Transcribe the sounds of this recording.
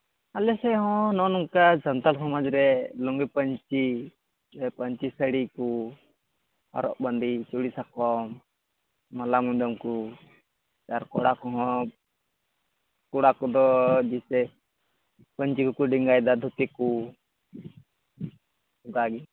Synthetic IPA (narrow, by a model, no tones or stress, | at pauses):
alɛsɛɦɔ̃nɔnɔŋkad͡ʒant̪alsɔmad͡ʒɾɛlɔŋɡipəɲt͡ʃi | ɛpəɲt͡ʃisəɽiku | a̰ɾɔ̰ʔband̪it͡ʃuɽisakɔmː | alamuɲd̪ɔmku | t͡ʃaɾkɔɽakɔɦɔ̃ | kuɽakɔd̪ɔd͡ʒisɛ | pəɲt͡ʃikɔkuɖiŋɡajd̪ad̪ʱut̪iku | ɔɡaɡi